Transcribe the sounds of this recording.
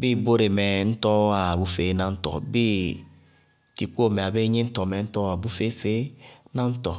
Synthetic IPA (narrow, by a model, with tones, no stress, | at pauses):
bi˦bo˦ɾe˨me˨n̩˦tɔ˦a˨bu˦fe˨˦nã˦n̩˦tɔ̰˨bi˦ | ti˨ku˦o˦˨me˨a˨be˦ɲĩ˦n̩˦tɔ˨mɛ˨n̩˦tɔ˦a˨bu˦fe˦fe˦nã˦n̩˦tɔ˨